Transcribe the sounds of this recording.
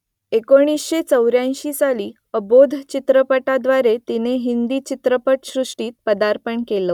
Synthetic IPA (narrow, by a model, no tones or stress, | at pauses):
ekoɽ̃isɕet͡səwɾjãjɕiːsaliː | əbod̪ʱt͡ɕit̪ɾəpəʈad̪ʋaɾet̪ineɦind̪iːt͡ɕit̪ɾəpəʈɕɾuʂʈiːt̪̚pəd̪aɾpəɳkelə